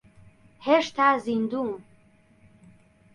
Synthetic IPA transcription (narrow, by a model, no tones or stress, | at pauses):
heʃt̪ʰazind̪un